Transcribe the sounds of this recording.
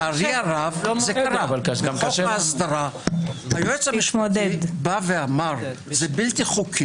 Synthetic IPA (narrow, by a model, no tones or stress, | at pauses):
aɾiaʁavzekaɾalmaasd̪aʁaajoet͡samiʃmod̪edbaveamaʁ | zebilt̪iχukʰi